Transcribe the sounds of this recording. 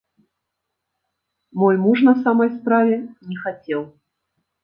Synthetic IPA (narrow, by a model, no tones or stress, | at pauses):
mɔjmuʂnɐsamɐjspɾavʲɛnʲɛxat͡sʲɛw